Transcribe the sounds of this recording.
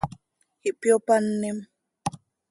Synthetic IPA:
hiʔpjopanːem

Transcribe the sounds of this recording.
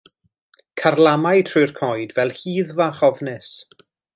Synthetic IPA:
kʰarlˠamajtʰrujrkʰɔjdvɛlˠhiːðvaχɔvnɨs

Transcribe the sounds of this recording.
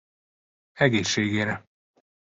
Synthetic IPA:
ɛɡeːʃːeːɡeːɾɛ

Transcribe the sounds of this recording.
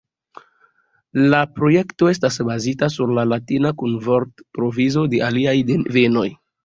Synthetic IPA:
lapɾo̞je̞kto̞e̞stasbazitasuɾlalatinakunvoɾtpɾo̞vizo̞de̞ʔaliajdenve̞no̞j

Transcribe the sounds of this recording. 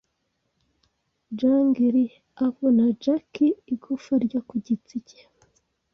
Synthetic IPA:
d͡ʒaŋɡiɾi | aβonad͡ʒakiːɡufaɾɟakuɟit͡siɟe

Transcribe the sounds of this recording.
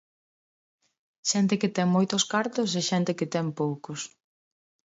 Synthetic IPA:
ʃɛnt̪̬ɪkɪt̪ɛŋmojt̪ʊskaɾt̪ʊs̬ɛʃɛnt̪ɪkɪt̪ɛmpowkʊs

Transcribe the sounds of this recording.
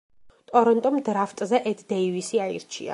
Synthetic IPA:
t̪ʼɔɾɔnt̪ʼɔmd̪ɾaft̪ʼzɛʔɛt̪ʰd̪ɛivisiaḭɾt͡ʃʰḭa̰

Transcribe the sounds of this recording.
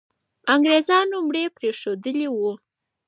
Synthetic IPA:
aŋɡɾezɑnomɽepɾeʂod̪əliwu

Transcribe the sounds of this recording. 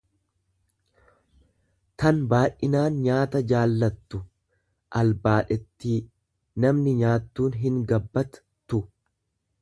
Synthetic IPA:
t̪ɐnbaːʔɪnaːnɲaːt̪ɐd͡ʒaːlːɐt̪ːʊ | ʔɐlbaːᶑɛt̪ːiː | nɐmnɪɲaːt̪ːuːnɦɪŋɡɐbːɐt̪ | t̪ːʊ

